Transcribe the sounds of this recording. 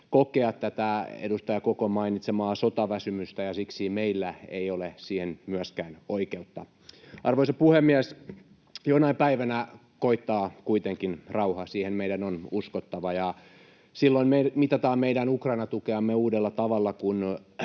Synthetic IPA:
kokeɑt̪tːæt̪æḛdust̪ɑjɑkokomɑinit̪semɑːsot̪ɑʋæsymyst̪æjɑsiksiːmeilːæḛiolesiːhenmyæskæːnoikeut̪ːɑ | ɑrʋoisɑpuhemːiæs | jonɑipæiʋænæ | koit̪ːɑːkuit̪eŋkinrɑuhɑsiːhemmeidænonuskot̪ːɑʋɑjɑ | silːoimemit̪ɑt̪ɑːmeidænukrɑinɑt̪ukeɑmːeuːdelːɑt̪ɑʋɑlːɑkun

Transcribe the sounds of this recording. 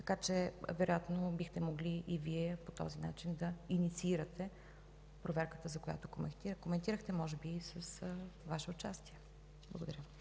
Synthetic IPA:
t̪ɐ̥kat͡ʃɛvɛɾojat̪nobixt̪ɛmoɡliʔiviɛpot̪ɔ̰zina̰t͡ʃind̪ɐinit̪siiɾət̪ɛ | pɾovɛɾkə̥t̪əzɐkoja̰t̪okomɛt̪ikomɛnt̪iɾəxt̪ɛmɔʒɛbiːsəsvaʃɛʊt͡ʃast̪iɛ | b̥lˠɐɡod̪ɐɾjə

